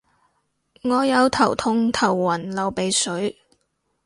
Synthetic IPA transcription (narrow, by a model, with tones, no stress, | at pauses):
ŋɔː˨˧jɐ˨˧wt̪ʰɐ˨˩wt̪ʰʊ˧ŋt̪ʰɐ˨˩wːɐ˨˩nlɐ˨˩wpe˨˧jsɵ˨˥ɥ